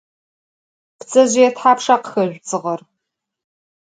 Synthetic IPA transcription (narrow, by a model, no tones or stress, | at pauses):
pt͡sʼɐʑɪjɛtħaːpʂaqxɐʒʷt͡sʼɨʁɐr